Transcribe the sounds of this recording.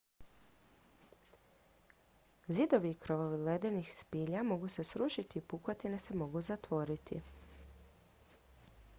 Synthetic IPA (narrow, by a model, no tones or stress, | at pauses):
zid̪o̞ʋiːkɾoʋoʋiled̪enixspiːʎamo̞ɡuse̞sɾuʃit̪iːpukot̪inese̞mo̞ɡuzat̪ʋo̞ɾit̪ḭ